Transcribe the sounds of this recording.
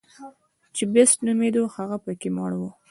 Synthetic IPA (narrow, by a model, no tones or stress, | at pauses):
t͡ʃebesʈnumed̪ohaɣapəkemɑɽwu